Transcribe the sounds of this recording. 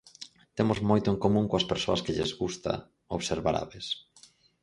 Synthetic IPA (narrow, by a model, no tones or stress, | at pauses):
t̪emʊzmojt̪ʊeŋkomũŋkoɐspeɾsoɐskeʎezɣust̪a̰ | oβseɾβa̰ɾa̰βes